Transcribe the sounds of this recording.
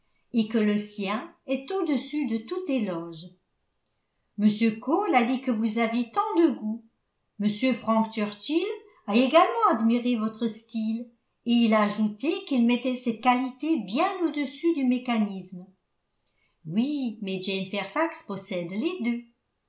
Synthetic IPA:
ekələsjɛ̃ɛt̪od̪əsyd̪ət̪ut̪elɔʒ | məsjøkolad̪ikəvuzavjet̪ɑ̃d̪əɡu | məsjøfχɑ̃kt̪œʁt̪il | aeɡalmɑ̃ad̪miʁevɔt̪χəst̪il | eilaːʒut̪ekilmɛt̪ɛsɛt̪̚kalit̪ebjɛ̃nod̪əsyd̪ymekanism | wimɛd͡ʒɛnfɛʁfakspɔsɛd̪led̪ø

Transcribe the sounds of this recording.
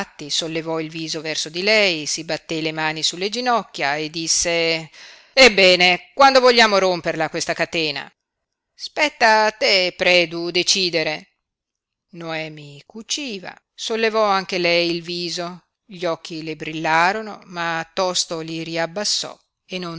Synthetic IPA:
t̪ːisolːevɔilviːzovɛrsod̪ilɛjsibat̪ːelemaːnisulːed͡ʒinɔkːjaed̪ːisːe | ebːɛːnekwand̪ovoʎːaːmoɾomperlakwest̪akat̪eːna̰ | spɛt̪ːat̪epɾɛːd̪ud̪et͡ʃiːd̪eɾe | noɛːmikut͡ʃiːva̰ | solːevɔaŋk̟elɛjilviːzo | ʎiɔk̟ːilebɾilːaːɾonomat̪ːɔst̪oliɾiabːasːɔ̰ | enːon

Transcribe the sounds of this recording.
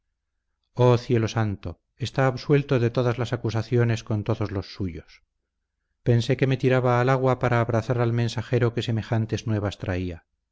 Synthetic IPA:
oθje̞lo̞sant̪o̞ | est̪aːβswe̞lt̪o̞ðe̞t̪o̞ðazlasakusaθjo̞ne̞sko̞nt̪o̞ðo̞zlo̞sːuʝos | pe̞nse̞ke̞me̞t̪iɾaβaːlaɣwapaɾaːβɾaθaɾalmẽ̞nsaxe̞ɾo̞ke̞se̞me̞xant̪eznwe̞β̞ast̪ɾaia

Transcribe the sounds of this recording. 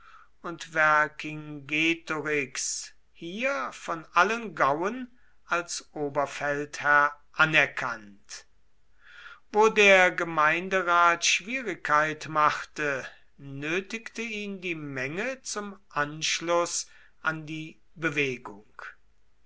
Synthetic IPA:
ʊntvɛɐkɪŋɡeːtoʁɪks | hiːɐfɔnʔalənɡawən | ʔalsʔoːbɐfɛlthæɐ | ʔanɛɐkʰant | voːdeːɐɡəmaɪndəʁaːtʃv̥iːʁɪkʰːaɪtmaχtə | nøːtɪktəiːndiːmɛŋət͡sʊmʔanʃlʊs | ʔandiː | bəveːɡʊŋk

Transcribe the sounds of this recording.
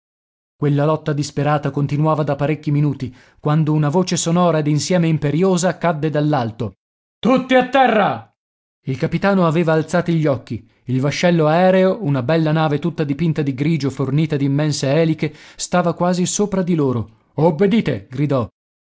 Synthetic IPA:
kwelːalɔt̪ːad̪ispeɾaːt̪akont̪inuaːvad̪apːaɾekːiminuːt̪i | kwand̪ounavoːt͡ʃesonɔːɾaed̪insjɛːmeimpeɾjoːzakːad̪ːed̪alːalt̪o | t̪ut̪ːiat̪ːɛrːa | ilkapit̪aːnoaveːvaːlt̪saːt̪iʎːɔkːi | ilvaʃːɛlːoaɛːɾeounabɛlːanaːvet̪ut̪ːad̪ipint̪ad̪iɡɾiːd͡ʒoforniːt̪ad̪imːɛnseɛːlikest̪aːvakwaːzisoːpɾad̪iloːɾo | obːed̪iːt̪ḛɡɾid̪ɔ

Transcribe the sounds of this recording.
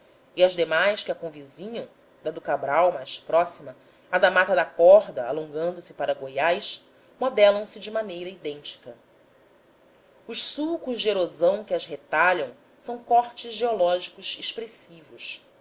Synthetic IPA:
iɐzd̪emajʃkɪɐkõvizĩɲɐ̃w̃ | d̪ɐd̪ʊkabɾawmajspɾɔsimɐ | ad̪amat̪ɐd̪ɐkɔɦd̪ɐa̰lõŋɡɐ̃nd̪ʊsɪpaɾɐɡojajʃ | mod̪ɛlɐ̃w̃sɪd͡ʒɪmanejɾɐid̪ẽnt͡ʃi̥kɐ | ʊʃsukʊʒd͡ʒɪeɾozɐ̃w̃kɪɐzɦet̪aʎɐ̃w̃ | sɐ̃w̃kɔχt͡ʃɪzʒeolɔʒikʊʃeʃpɾesivʊʃ

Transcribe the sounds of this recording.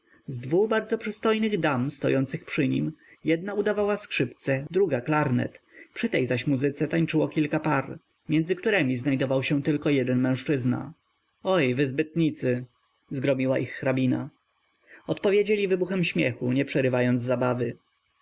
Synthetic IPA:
zd̪vubaɾd̪zɔpʂɘst̪ɔjnɘɣd̪amst̪ɔ̰jɔnt̪sɘxpʂɘɲḭmjɛd̪naud̪avawaskʂɘpt̪sɛd̪ɾuɡaklaɾnɛ̰t̪pʂɘt̪ɛjzaɕmuzɘt̪sɛt̪aɲt͡ʂɘwɔkʲilkapaɾ | mʲjɛnzɘkt̪uɾɛmʲiznajd̪ɔvawɕɛ̃t̪ɘlkɔjɛd̪ɛnmɛ̃w̃ʂt͡ʂɘzna̰ | ɔjvɘzbɘt̪ɲit̪sɘ | zɡɾɔmʲiwaʔixːɾabʲina̰ | ɔt̪pɔvʲjed͡ʑelʲivɘbuxɛmɕmʲjɛxuɲɛpʂɛɾɘvajɔnd̪zzːabavɘ

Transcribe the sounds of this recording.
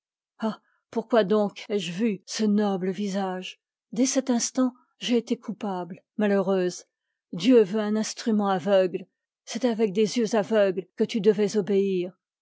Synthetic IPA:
a | puʁkwad̪ɔ̃kɛʒvysənɔbləvizaʒ | d̪ɛsɛt̪ɛ̃st̪ɑ̃ | ʒeːt̪ekʰupabl | maløʁøz | d̪jøvøɛ̃nɛ̃st̪χymɑ̃avœɡl | sɛt̪avɛk̚d̪ezjøzavœɡlkət̪yd̪əvɛzɔbeiʁ

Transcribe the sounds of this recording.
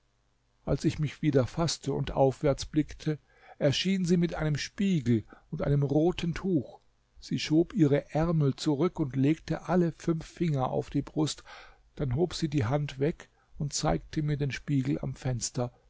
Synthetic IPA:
ʔalsɪçmɪçv̥iːdɐfastʰəʊ̰ntʔa̰ʊfv̥ɛɐt͡sb̥lɪktʰə | ʔɛɐʃiːnziːmɪtʔaɪnəmʃpiːɡl̩ʊntʔa̰ɪnəmʁoːtn̩tʰuːx | z̥iːʃoːpʔiːʁəʔɛɐml̩t͡suʁʏkʊntleːk̚təʔaləfʏnfːɪŋɐʔa̰ʊfd̥iːbʁʊst | d̥anɦoːpz̥iːdiːɦantv̥ɛk | ʊnt̚t͡saɪk̚tʰəmiːɐdeːnʃpiːɡl̩a̰mfɛnstɐ

